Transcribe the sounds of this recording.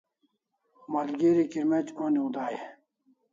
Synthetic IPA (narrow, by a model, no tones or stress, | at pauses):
mɐlɡeɾikiɾmet͡ɕoːniud̪aːje